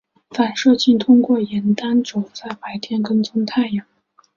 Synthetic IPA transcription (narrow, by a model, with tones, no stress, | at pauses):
fa˨˩nʂɤ˥˧t͡ɕi˥˩nt̪ʰʊ˥ŋkwɔ˥˩jɛ˧˥nt̪a˥nʈ͡ʂo˨˩ʊt͡sa˥˩ɪpa˧˥ɪt̪ʰjɛ˥nkə˥nt͡sʊ˥ŋt̪ʰa˥˩ɪjɑ˨˩˦ŋ